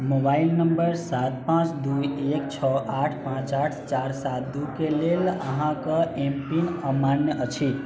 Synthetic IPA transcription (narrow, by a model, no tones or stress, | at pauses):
mobailnəmbəɾsat̪̚pãt͡ʃd̪ujekt͡ʃʰɔʔaʈʰpãt͡ʃaʈʰt͡ʃaɾsat̪̚d̪ukeleləɦãkəempinəmanjəʔət͡ʃʰi